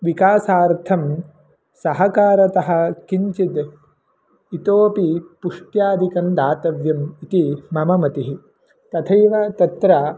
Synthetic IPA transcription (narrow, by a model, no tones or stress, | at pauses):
ʋikaːsaːɾt̪ʰɐm | sɐɦɐkaːɾɐt̪ɐɦɐ̆kiɲt͡ʃid̪ | it̪oːpipuʂʈjaːd̪ʱikɐnd̪aːt̪ɐʋjɐmit̪imɐmɐmɐt̪iɦi | t̪ɐt̪ʰɐjʋɐt̪ɐt̪ɾa